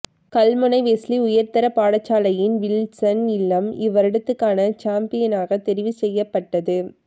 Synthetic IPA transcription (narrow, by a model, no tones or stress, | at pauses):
kɐlmɯnɐɪʋeːsliʊjɐɾt̪ɐɾɐpaːɽɐt͡ʃːaːlɐjɪnʋɪlsɐnɪlːɐmɪʋɐɾɪɽɯt̪ːɯkːaːnɐt͡ʃaːmpɪjɐnaːɣɐt̪ɛɾɪʋisɛjːɐpːɐʈːɐðɯ